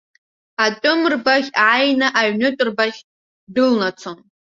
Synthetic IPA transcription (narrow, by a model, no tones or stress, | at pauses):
atʼʊmrbaχʲʕajnaʔaɥnɨtʷʼrbaχʲ | dɨlnat͡sʷʰon